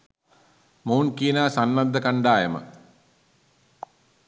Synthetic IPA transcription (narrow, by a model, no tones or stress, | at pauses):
moːnkiːnaːsanmad̪ːəkaɳɖaːjəmə̰